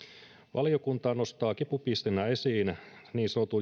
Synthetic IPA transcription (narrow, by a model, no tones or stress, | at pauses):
ʋʔɑlijo̞kunt̪ɑːno̞st̪ɑːkipupist̪enːæe̞siːnniːnsot̪u